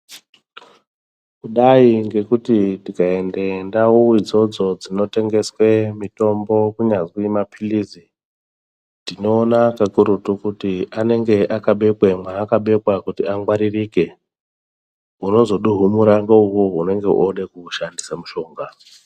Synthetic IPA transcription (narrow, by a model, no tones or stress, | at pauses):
kuɗaiŋɡe̞kutitikae̞ndendauwid͡zo̞d͡zo̞d͡zino̞te̞ŋɡe̞swe̞mito̞mbo̞kuɲazwimapʰilizi | tino̞ːnakakuɾutukutiʔane̞ŋɡe̞ʔakaɓe̞kwemwaːkaɓe̞kwakutiaŋɡwaɾiriːke̞ | uno̞zo̞ɗuɦumuɾaŋɡaukuɦune̞ŋɡe̞ʔoɗekuʃandisamuʃo̞ːŋɡa